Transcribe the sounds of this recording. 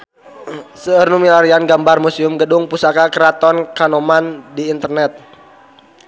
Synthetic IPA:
səərnumilaɾianɡambarmusiumɡədʊŋpusakakəɾat̪ɔnkanɔmandiːnt̪ərnɛt̪̚

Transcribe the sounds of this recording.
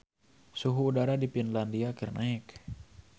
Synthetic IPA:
suɦuːdaɾadipinlandiakirnʔaɛk

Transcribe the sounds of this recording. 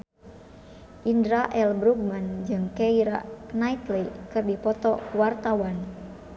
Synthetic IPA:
ʔindɾaʔɛlbɾuɡ̚mand͡ʒɨŋkɛiɾa̰nait̪likɨrdipɔt̪ɔkuwart̪awan

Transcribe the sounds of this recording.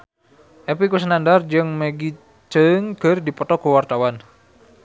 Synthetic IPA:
ʔɛpikus̬ənandard͡ʒɨŋmeɡi | t͡ʃəŋɡərdipɔt̪ɔkəwart̪awan

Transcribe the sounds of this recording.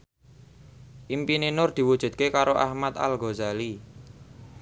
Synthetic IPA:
ʔimpinenʊrd̪̥i̤wud̥ʒ̥ṳd̪̚kekaɾoʔa̰hmat̪a̰lɡozali

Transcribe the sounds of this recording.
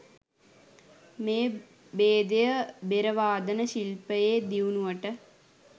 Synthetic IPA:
meː | beːd̪ejəbeɾəʋaːd̪ənəɕilpəjeːd̪iunuʋəʈə

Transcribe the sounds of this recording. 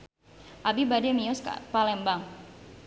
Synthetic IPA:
ʔabibadɛmiɔskpalɛmbaŋ

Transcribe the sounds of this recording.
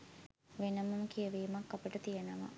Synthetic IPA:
ʋenəmuməkijəʋiːmakːapəʈət̪ijənəʋa̰

